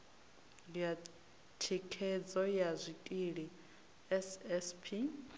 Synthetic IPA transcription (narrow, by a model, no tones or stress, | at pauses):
lija | tʰikʰɛd͡zɔjazʷitʼiɺi | ɛsɛspʰi